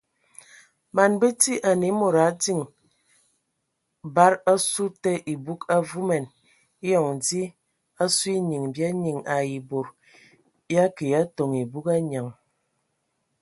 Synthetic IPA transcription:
ma˨nbe˦ti˦ʔa˨ni˨˦mo˨ɾa˨˦di˦ŋ | ba˦ɾa˦su˦te˦ʔi˨bu˦ka˦vu˦mɛ˨n | i˦jɔ˨ŋdi˦ | a˦su˦i˦ɲi˨ŋbja˦ɲi˨ŋa˨ji˨bo˨ɾ | ja˦ki˨ja˦to˨ŋi˨bu˦ka˦ɲa˨ŋ

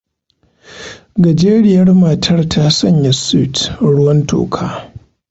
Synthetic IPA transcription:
ɡɐ˨d͡ʒeː˦ɽɪ˦˨jɐ˦rma˨tʰɐ˦rtʰaː˦sɐ˦˨ɲja˨si˦˨tɽʊ˦wɐ˦nto̰ː˨kʰaː˦

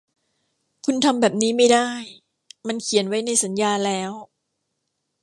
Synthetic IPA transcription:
kʰu˧nt̪ʰa˧mbɛː˨˩p̚niː˦˥ma˥˩jdaː˥˩j | ma˧nkʰi˨˩˦ənwa˦˥jna˧jsa˩˦njaː˧lɛː˦˥w

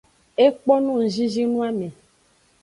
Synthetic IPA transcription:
e˦k͡pɔ˦nũ˦n̩˨ʒi˦zi˦nũ˦a˦mẽ˨

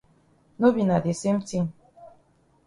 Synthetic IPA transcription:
no˦bi˨na˨de˨se˦m̩˦ti˦ŋ

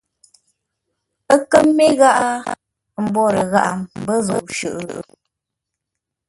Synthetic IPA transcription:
ə˦kə˦mːe˦ɣa˦ʔa˦ | m̩˦bɔ˦˨ɾə˨ɣa̰˦ʔa˨mm̩˨bə˦zɔ˨p̚ʃʉ˨ʔʔ

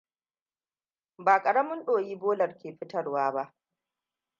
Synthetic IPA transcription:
baː˨kʼɐ˨ɽɐ˦mʊ˦nɗoː˨jiː˦boː˦lɐ˨rkʲeː˨ɸɪ˦tɐ˦ɽwaː˦ba˦ʔ

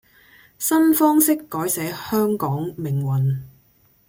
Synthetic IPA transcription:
sɐ˥nfɔː˥ŋsɪ˥kːɔː˨˥jsɛː˨˥hœː˥ŋkɔː˨˥ŋmɪ˨˩ŋwɐ˨˩n

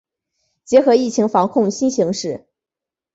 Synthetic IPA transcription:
t͡ɕjɛ˧˥xɤ˧˥i˥˩t͡ɕʰi˧˥ŋfɑ˧˥ŋkʰʊ˥˩ŋɕi˥nɕi˧˥ŋʂɻ̩˥˩

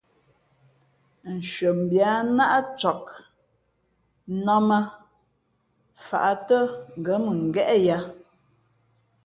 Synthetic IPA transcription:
n̩˨ʃɥə˨m˨bja˨˦na˦ʔa˦t͡ʃɔ˨k̚ | nɔ˦mə˦ | fa̰˨ʔa˨tə˦ŋ̩˨ɡə˨˦mə˨ŋ̩˨ɡɛ˦ʔɛ˦ja˦

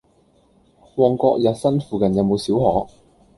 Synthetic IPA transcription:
wɔː˨˩ŋkɔː˧k̚jɐ˨t̚sɐ˥nfuː˨kɐ˨njɐ˨˧wmo˨˧wsiː˨˥whɔː˨˥

